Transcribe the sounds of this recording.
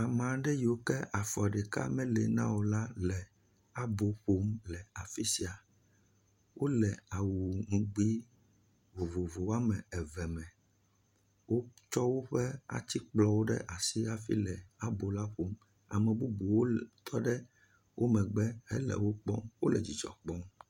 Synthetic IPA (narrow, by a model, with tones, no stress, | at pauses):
a˨mã˨˦ɖɛ˦ji˨o˨kɛ˦a˨fɔ˨a˨ɖɛ˨ka̰˦mɛ̃˦lɛ˨nã̰˦wo˨la˦lɛ˨ | a˦bo˨ɸo˦mlɛ˨a˨fi˦si˦a˨ | wʔo˦lɛ˨a˨wu˨ŋũ˦ɡ͡bi˦ | vo˨vo˨vo˨wa˦mɛ̃˨ɛ˨vɛ˨mɛ̃˨ | wo˦t͡ʃɔ˦wo˦ɸɛ˦a̰˨t̪i˦k͡plɔ˦wo˦ɖɛ̰˦ʔa˨si˦a˦fḭ˦lɛ˨a˦bo˨la˦ɸo˦m | a̰˨mɛ̃˨bu˦bu˨wo˦t̪ʰɔ˦ɖɛ˦ | wʔo˦mɛ̃˨ɡ͡bɛ˦hɛ̰˦lɛ̰˨wo˦k͡pɔ̰˦mwo˦lɛ˨d͡ʑi˨d͡ʒɔ̰˨k͡pɔ˦m